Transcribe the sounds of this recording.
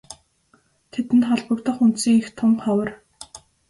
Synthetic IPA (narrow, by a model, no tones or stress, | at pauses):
t̪ʰet̪ɘ̆nt̪χɔɮpə̆kt̪ə̆χunt̪siːŋext̪ʰʊmɢawə̆r